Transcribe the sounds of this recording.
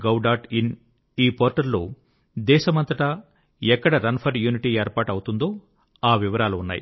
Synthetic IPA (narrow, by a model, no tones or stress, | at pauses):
ɡɐwɖaːʈin | iːpoːɾʈɐɾloː | d̪ɛːʃɐmɐnt̪ɐʈɐ | ɛkːɐɽɐɾɐnpʰɐɾjuːniʈieːɾpaːʈɐwut̪und̪o̞ː | aːʋiʋɐɾaːluunːa̰ːjḭ